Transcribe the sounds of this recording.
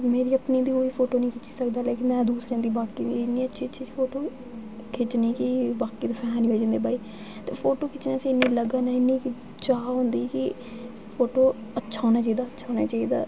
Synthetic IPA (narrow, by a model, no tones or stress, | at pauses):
meːɾiːəpnĩːd̪iːɦoːiːpʰoːʈoːnĩːkʰɪt͡ʃi̥ːsəkd̪aːlɛːkɪmɛ̃ːd̪uːsɾeãːd̪iːbaːkkḭːɪnːiːətːʃʰiːətːʃʰiːsiːpʰoːʈoː | kʰɪt͡ʃnĩːkɪbaːkiːt̪eːpʰɛːãːniːɦoːd͡ʒãːnd̪eːbaːiː | t̪eːpʰoːʈoːkʰɪt͡ʃnẽːseːɪnːĩːləɡaːnaːɪnːĩːki | t͡ʃaːɦõːnd̪iːkɪ | pʰoːʈoːətːʃʰaːõːnaːt͡ʃaːiːd̪aːətːʃʰaːɦoːna̰ːt͡ʃaːiːd̪a̰ː